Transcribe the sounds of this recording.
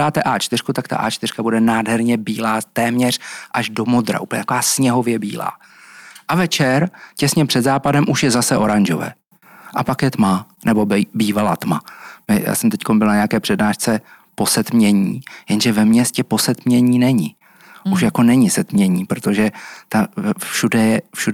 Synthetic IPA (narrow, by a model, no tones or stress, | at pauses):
aːt̪ɛʔaːt͡ʃt̪ɪr̥kut̪akt̪a̰ʔa̰ːt͡ʃt̪ɪr̥kabudɛnaːdɦɛɾɲɛbiːlaːt̪ɛːmɲɛr̝̥ʔaʒdomo̞d̪ɾa̰uːpl̩ɲɛt̪akovaːsɲɛɦo̞vjɛbḭːla̰ː | ʔavɛt͡ʃɛɾcɛsɲɛpr̥ɛd̪zaːpadɛmʔuʃjɛzasɛʔo̞ɾaɲʒo̰vɛ̰ː | ʔapakjɛt̪manɛbo̞bbiːvala̰ːt̪mamɪja̰ːsɛmt̪ɛcko̞nbɪlnaɲɛakɛːpr̝̥ɛdnaːʃt͡sɛ | po̞sɛt̪mɲɛɲiːjɛnʒɛvɛmɲɛscɛpo̞sɛt̪mɲɛɲiːnɛɲɪ | uʃjako̞nɛɲɪsɛt̪mɲɛɲiːpɾot̪o̞ʒɛt̪afʃudɛjɛfʃu